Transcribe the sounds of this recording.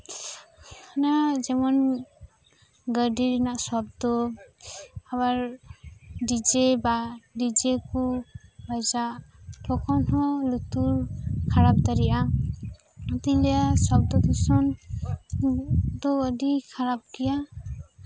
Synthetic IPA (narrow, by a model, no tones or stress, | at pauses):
kʰanazɛmɔn | ɡədiɾnaʔsɔb̚d̪ɔ | abaɹ | did͡ʒebadid͡ʒekubajzaʔtʰɔkʰɔnɦɔlut̪uɹkʰaɾap̚t̪aɾiʔa | ɔt̪ilɛasɔb̚d̪ɔt̪ʰusɔn | d̪ɔːd̪ikʰaɾab̚ɡija